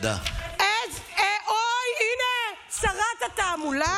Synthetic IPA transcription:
da̰ʔezeʔojinesaʁat̪at̪amula

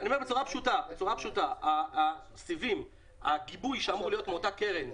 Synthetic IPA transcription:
anie̞bet͡suʁapʃutabet͡suʁapʃutaa | sivim | aɡibujʃeamʁulijo̞tmeotakeʁen

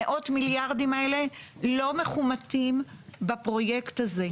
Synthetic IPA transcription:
eʔo̞tmiljaʁdimaele̞lo̞meχumatimbapʁo̞je̞ktaze

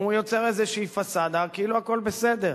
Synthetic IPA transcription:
ujo̞t͡seʁezeʃiːfasad̪akiiluako̞lbese̞d̪e̞ʁ

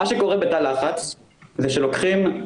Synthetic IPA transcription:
aʃeko̞ʁebet̪alaχat͡s | zeʃelo̞kχim

